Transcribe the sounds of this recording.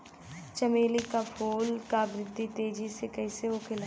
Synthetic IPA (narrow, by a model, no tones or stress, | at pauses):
t͡ʃɐmeːlikapʰoːlkabɾɪd̪ʱːit̪eːd͡ʒisekɐɪseoːkʰɪla